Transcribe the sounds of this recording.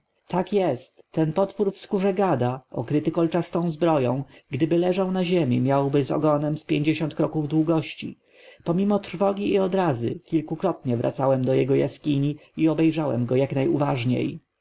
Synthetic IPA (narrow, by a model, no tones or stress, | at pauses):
t̪akjɛst̪ːɛnpɔt̪fuɾfskuʐɛɡad̪aʔɔ̰kɾɘt̪ɘkɔlt͡ʂast̪ɔ̃w̃zbɾɔjɔ̃w̃ɡd̪ɘbɘlɛʐawnaʑemʲimʲjawbɘzɔ̰ɡɔnɛmspʲjeɲd͡ʑeɕɔnt̪̚kɾɔkuvd̪wuɡɔɕt͡ɕḭ | pɔmʲimɔt̪ɾ̥fɔɡʲiːɔd̪ɾazɘ̰kʲilkukɾɔt̪̚ɲɛvɾʔa̰t̪sawɛmd̪ɔjɛɡɔja̰skʲiɲiiɔbɛjʐawɛ̰mɡɔjaknajuvaʐɲḛj